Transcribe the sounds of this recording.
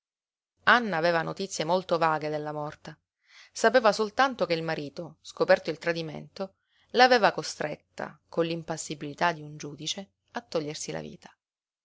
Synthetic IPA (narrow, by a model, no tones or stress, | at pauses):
anːaːveːvanot̪it̪sːjemolt̪ovaːɡed̪elːamɔrt̪a | sapeːvasolt̪ant̪okeilmaɾiːt̪oskopɛrt̪oilt̪ɾad̪imḛnt̪o | laːveːvakost̪ɾet̪ːa̰konlimpasːibilit̪ad̪iund͡ʒuːd̪it͡ʃe | at̪ːɔʎːersila̰vḭːt̪ḁ